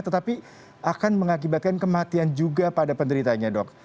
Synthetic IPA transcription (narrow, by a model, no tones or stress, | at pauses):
t̪ət̪api | akanməŋak̬ibat̪̚kankəmat̪iand͡ʒuɡapadapəndəɾit̪aɲadɔk̚